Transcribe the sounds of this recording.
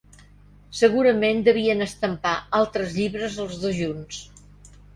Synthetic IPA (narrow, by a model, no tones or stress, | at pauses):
səɣ̞uɾəmend̪əβ̞iənəst̪əmpaalˠt̪ɾəzʎiβɾəzəlˠzðoʒuns